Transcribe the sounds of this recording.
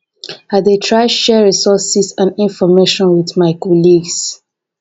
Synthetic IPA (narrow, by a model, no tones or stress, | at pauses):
hadetʰɹaɪdʃɛɹisɔsisãnĩnfɔmeʃɔ̃nwiðmaɪkɔliɡs